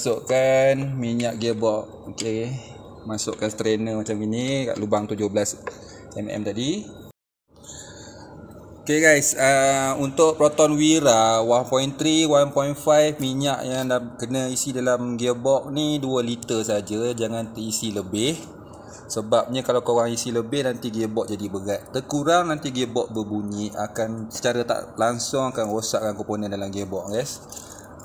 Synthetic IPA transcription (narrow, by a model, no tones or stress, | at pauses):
asʊʔkanmiɲaʔɡibɔk̚oke | masʊʔkanst̪ɾenəmat͡ʃamɡinika̰ʔlubaŋt̪ud͡ʒʊhbəlas | ɛ̰mɛ̰mt̪aʔdi | okeɡajsəunt̪ʊʔpɾɔt̪ɔnwiɾawanpɔjint̪ɾiwanpɔjinfajfmiɲaʔjaŋdakənəisidalamɡebɔk̚niduəlit̪əsad͡ʒəd͡ʒaŋant̪əisiləbɪh | səbap̚ɲakalawkoɣaŋisiləbɪhnant̪iɡebɔʔ̚d͡ʒadibəɡaʔt̪ərkuɾaŋnant̪iɡebɔʔ̚bəbuɲiʔa̰kansə̥t͡ʃaɾat̪a̰ʔlaŋsʊŋakanrosa̰ʔkankoponəndalamɡebɔʔ̚ɡajs